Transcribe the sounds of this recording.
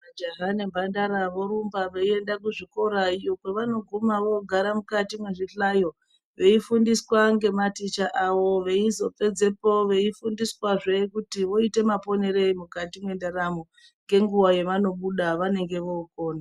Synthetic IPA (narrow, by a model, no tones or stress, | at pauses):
ʋad͡ʒeɦanembʱandaɾaʋo̞ɾumbaʋeie̞ndak̬uʐiko̞ɾaijo̞kweʋano̞ɡʱumaʋo̞ɡʱaɾamukatimwe̞ʐiɬajo̞ | ʋe̞ifundiswaŋɡe̞matit͡ʃaʔaʋo̞ʋe̞izo̞pe̞d͡ze̞poʋe̞ifundiswaʐekutiʋo̞ite̞mapo̞ne̞ɾe̞imukatimwe̞ndaramo | ŋɡe̞ŋɡuwaje̞ʋano̞ɓuɗaʋane̞ŋɡe̞ʋo̞uko̞ːna